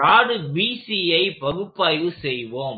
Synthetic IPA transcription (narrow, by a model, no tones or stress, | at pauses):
aːɽɯbiːsiɐɪpɐɣɯpːaːjʋɯsɛjʋoːm